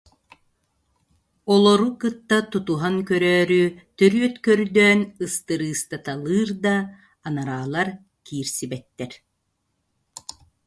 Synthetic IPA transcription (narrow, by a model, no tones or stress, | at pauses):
ɔlˠɔɾukɯt̪ːat̪ut̪uɦaŋkœɾœːɾyt̪œɾyœt̪kœɾd̪œːnɯst̪ɯɾɯːst̪at̪alˠɯːɾd̪aː | naɾaːlˠaɾ | kiːɾsibɛt̪ːɛɾ